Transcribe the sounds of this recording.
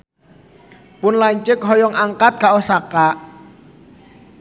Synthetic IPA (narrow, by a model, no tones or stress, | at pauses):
pʊnlaɲt͡ʃɪkɦɔjɔŋʔaŋkat̪̚kaʔɔsakaʔ